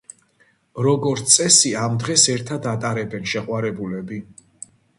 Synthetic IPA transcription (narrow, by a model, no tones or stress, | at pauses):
ɾɔɡɔɾt̪sʼɛsiamd̪ʁɛsɛɾt̪ʰad̪at̪ʼaɾɛbɛnʃɛqʼwaɾɛbulɛbi